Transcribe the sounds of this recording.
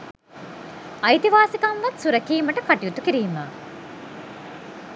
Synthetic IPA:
ɐjt̪iʋaːsikɐnʋɐt̪suɾɐkiːməʈəkaʈijut̪ukiɾiːma

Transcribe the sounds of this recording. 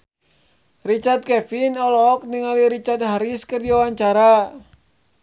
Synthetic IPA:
rit͡ʃart̪̚kɛfinɔlɔk̚niŋaliɾit͡ʃat̪̚ɦaɾiskɨrdiwawaɲt͡ʃaɾa

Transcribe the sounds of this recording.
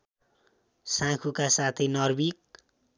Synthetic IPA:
sãkʰukasat̪ʰenʌrbik̚

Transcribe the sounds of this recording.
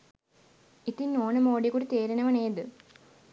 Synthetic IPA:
it̪ːinoːnɐmoːɖikuɽit̪eːɾɐnɐʋɐneːd̪ɨ

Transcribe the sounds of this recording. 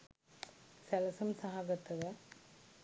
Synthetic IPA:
sɐlɐsɐmsɐɦaɡɐt̪ːɐɣɐ

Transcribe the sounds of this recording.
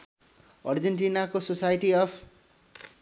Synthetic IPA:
ʌrd͡zenʈinakososajʈiʌpʰ

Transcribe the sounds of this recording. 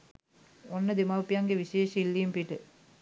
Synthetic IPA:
onːəd̪emɐʋpijɐŋɡeʋiʃeːʃəilːiːmpiʈə

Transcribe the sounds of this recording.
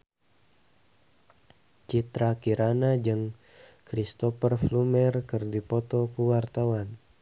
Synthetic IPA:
t͡ʃit̪ɾakiɾanad͡ʒɨŋ | kɾist̪ɔfərflumɛrkɨrdipɔt̪ɔkuwart̪awan

